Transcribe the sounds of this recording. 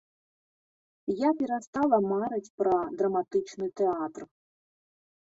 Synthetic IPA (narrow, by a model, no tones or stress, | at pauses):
japʲiɾɐst̪ɑlˠɐmaɾetʲpɾɐd̪ɾɐmat̪ɪt͡ʃnɨt̪eɑt̪r